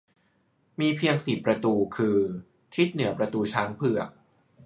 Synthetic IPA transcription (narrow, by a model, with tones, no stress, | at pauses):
miː˧pʰi˧əŋsi˨˩pːɾa˧t̪uː˧kʰɯː˧ | t̪ʰi˦˥t̪̚nɯ˩˦ɐpɾa˧t̪uː˧t͡ɕʰaː˦˥ŋpʰɯ˨˩ɐ